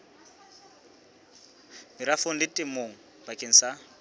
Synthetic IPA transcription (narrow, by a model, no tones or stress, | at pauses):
mɪɾafoŋ̩lɪtʼɪmoŋ̩ | bakʼeŋ̩sa